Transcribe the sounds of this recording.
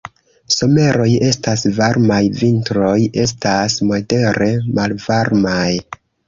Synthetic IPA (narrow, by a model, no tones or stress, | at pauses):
so̞me̞ɾo̞je̞stasvaɾmajvintɾo̞je̞s̬tasmo̞de̞ɾe̞malvaɾmaj